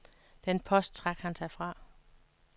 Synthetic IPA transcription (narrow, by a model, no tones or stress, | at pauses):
d̥enpʰɒ̽sd̥̚t͡sʰʁɑ̈ɡ̥hænsʰɑfʁɑ̈